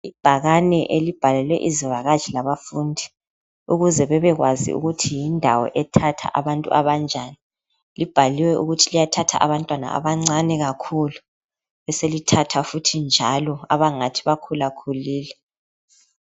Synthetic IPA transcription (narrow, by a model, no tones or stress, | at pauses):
ib̥ʱaɣanɛʔelib̥ʱalɛlwɛʔizivaɣḁʒ̥ʱilaβafundʱi | uɣuzɛβɛβɛɣwazḭʔṵɣutʰijindʱa̰wɔ̰ʔɛtʰatʰa̰ʔaβantʼṵʔaβand͡ʒʱani | lib̥ʱaliwɛʔuɣutʰilijatʰatʰa̰ʔaβantʼwana̰a̰βaŋ͡ǀanɛɣakʰulu | βɛselitʰatʰafutʰind͡ʒʱalɔa̰βaŋatʰi̥βakʰulakʰuliːlɛ